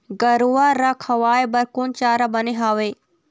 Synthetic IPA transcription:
ɡɐɾuaɾakʰɐʋaːebɐɾkont͡ʃaːɾabɐneɦaːʋeː

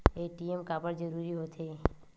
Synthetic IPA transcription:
eʈiemkaːpəɾd͡ʒəɾuɾiɦot̪ʰeː

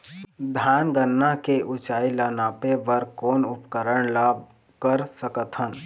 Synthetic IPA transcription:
d̪ʱanɡənːakeʔut͡ʃaːilənaːpebəɾkoːnupkəɾəɳlab̚ | kəɾsəkət̪ɦən

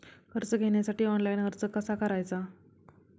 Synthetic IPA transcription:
kʰəɾt͡səɡʱeɳjasaʈiːɔnlajnkʰəɾt͡səkəsakəɾajt͡sa

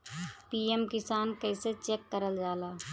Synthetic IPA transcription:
piːemkɪsaːnkɛɪset͡ʃeːkːəɾəld͡ʒaːlaː

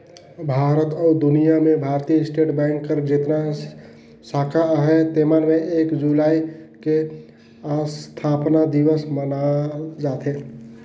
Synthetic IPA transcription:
bʱaːɾət̪ɔːd̪ʊnijamẽbʱaːɾt̪ijəɪsʈeːʈbɛ̃ŋkːəɾd͡ʒɪt̪na | saːkʰaɦɛt̪emanmeʔeːkd͡ʒulaːike | ast̪ʰaːpnad̪iwəsmənad͡ʒaːt̪e

